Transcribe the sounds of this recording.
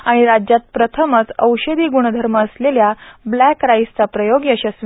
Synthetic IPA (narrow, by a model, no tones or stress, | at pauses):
aɽ̃iɾad͡ʑjat̪̚pɾət̪ʰəmət͡səwɕəd̪iːɡuɽ̃əd̪ʱəɾməːsleljablækɾajst͡sapɾəjoɡjəɕasʋ